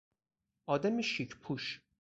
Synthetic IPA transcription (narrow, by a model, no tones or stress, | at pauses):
ʔɒːd̪æmiʃicʰpʰuʃ